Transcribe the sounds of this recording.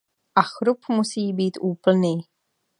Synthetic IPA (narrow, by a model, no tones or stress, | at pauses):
ʔaxɾupmusiːbiːt̪ʔuːpl̩niː